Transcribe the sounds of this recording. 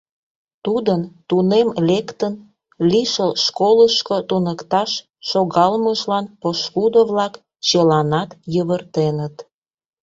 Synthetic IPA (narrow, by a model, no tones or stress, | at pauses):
t̪ud̪ənt̪unemlʲekt̪ən | liʃəlʃkoləʃkot̪unəkt̪ɑʃː | oɣɑlməʒlɑnpoʃkud̪oβlɑk | t͡ɕəlɑnɑt̪jəβərt̪enət̪